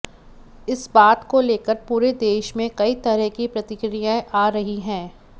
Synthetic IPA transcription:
ɪsbaːt̪koleːkəɾpuːɾed̪eːʃmẽkɐit̪ɐɾɛɦkipɾɐt̪ɪkɾijaʔaːɾɐɦiɦɛ̃ː

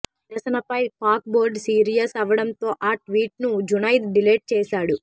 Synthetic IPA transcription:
ɾɐsɐnɐpɐjkaːk̚boːɾɖsiːɾijɐsɐʋɐɽɐnt̪o̞ːʔaːʈʋiːʈnud͡ʒunɐjt̪̚ɖileːʈ̚t͡ʃɛːsaːɽu

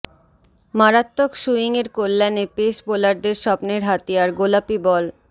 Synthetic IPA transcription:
maɾat̪ːokʃuiŋeɾkolːɛnepeʃbolaɾd̪eɾʃɔpneɾɦat̪ijaɾɡolapibɔl

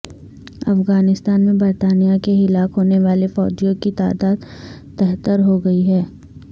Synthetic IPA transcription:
ɐfɣaːnɪst̪aːnmẽbɐɾt̪aːnijakeɦɪlaːkɦoːneʋaːlefɔːd͡ʒijõkit̪a̰ːd̪aːd̪ | t̪ɛɦt̪əɾɦoɡɐiɦɛː

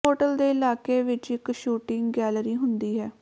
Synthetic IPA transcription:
oːʈəld̪eːɪlaːkeːʋɪt͡ʃɪkʃuːʈɪŋɡɡɛːlɾiːɦʊnd̪iːɦɛː

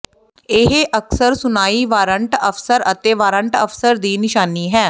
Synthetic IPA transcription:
ɪɦeʔəksəɾsʊnaːiːʋaːɾəɳʈəfsəɾət̪eːʋaːɾəɳʈə̰fsəɾd̪iːnɪʃaːniːɦɛː

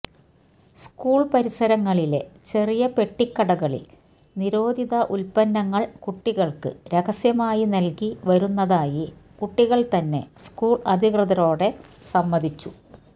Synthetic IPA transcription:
skuːɭpɐɾisɐɾɐŋːɐɭile̞̰t͡ɕe̞rijɐpe̞ʈːikːɐɽɐɣɐɭḭl | niɾo̞ːd̪ʱiðɐʔulpɐnːɐŋːɐɭkuʈːiɣɐɭkɨ̰ɾeɣɐsjɐmaːjinɐlkiʋɐɾunːɐðaːjikuʈːiɣɐɭt̪ɐnːe̞̰skuːɭɐd̪ʱikrɨðɐɾo̞ːɽe̞sɐmːɐd̪ʱit͡ɕːu

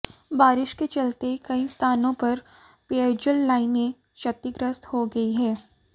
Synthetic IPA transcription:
baːɾɪʃket͡ʃɐlt̪ekɐist̪ʰaːnõpɐɾ | peed͡ʒəlːaːɪnẽ | ʃɐt̪ːiɡɾəst̪hoɡɐiɦɛː

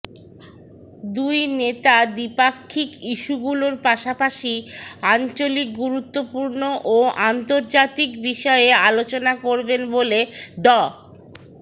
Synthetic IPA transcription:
d̪ujnet̪ad̪ipakʰːikiʃuɡuloɾpaʃapaʃiant͡ɕolik̚ɡuɾut̪ːopuɾnoʔoant̪oɾd͡ʑat̪ikbiʃɔealot͡ɕonakoɾbenboleɖɔ

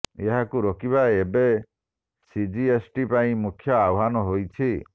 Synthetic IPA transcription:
eɦakuɾɔkiβaebe | sid͡ʒiesʈipaĩmukʰjɔawɦanɔɦojt͡ʃʰi

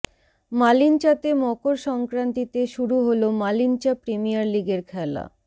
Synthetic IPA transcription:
malint͡ɕat̪emɔkoɾʃɔŋkɾant̪it̪eʃuɾuɦolomalint͡ɕapɾemijaɾliɡeɾkʰɛla̰

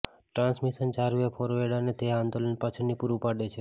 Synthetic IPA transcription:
ʈɾãnsmiʃənt͡ʃaɾuepʰɔɾoeɽanet̪eãnd̪olənpat͡ʃʰənːipuɾupaɽet͡ʃʰe

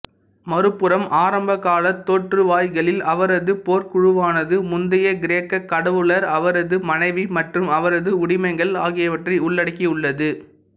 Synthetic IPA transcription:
mɐɾɯpːɯɾɐmʔaːɾɐmbɐkːaːlɐt̪ːoːʈrɯʋaːjɣɐɭɪlɐʋɐɾɐðɯpoːɾkʊɻɯʋaːnɐðɯmʊnd̪ɐjɐɡɪɾeːkːɐkːɐɽɐʋɯɭɐɾɐʋɐɾɐðɯmɐnɐɪʋimɐʈrɯmɐʋɐɾɐðɯʊɽɪmɐɪŋɡɐɭaːɣɪjɐʋɐʈrɐɪʊɭːɐɽɐkːiʊɭːɐðɯ

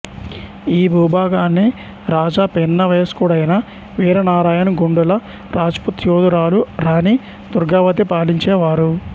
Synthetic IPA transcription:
iːbʱuːbaːɡaːnːi | ɾaːd͡ʒaːpenːɐʋeːskuːɽɐjɐnɐ | ʋiːɾɐnaːɾaːjɐnuɡuɳɖulɐ | ɾaːd͡ʒput̪joːd̪uɾaːluɾaːni | d̪uɾɡaːʋɐt̪ipaːliɲt͡ʃɛːʋaːɾu

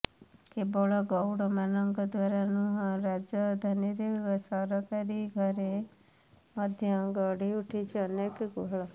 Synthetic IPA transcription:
kebɔɭɔɡɔwɽɔmanəŋɡəd̪ʋaɾanũɾad͡ʒjəd̪ʱaniɾiɡsəɾɔkaɾiɡʱʌɾe | məd̪ʱjəɡəɽiuʈʰit͡ʃʰeənekɡoɦɭɔ

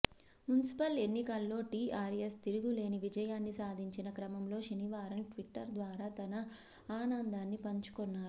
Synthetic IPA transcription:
munisi̥pɐle̞nːikɐlːo̞ːʈiːaːɾest̪iɾuɡule̞ːniʋid͡ʒɐjaːnːisaːd̪ʱiɲt͡ʃinɐkɾɐmɐmlo̞ːʂɐniʋaːɾɐnʈʋiʈːɐɾd̪ʋaːɾaːt̪ɐnɐ | aːnɐnd̪aːnːipɐɲt͡ʃu̥kɔnːaːɾu

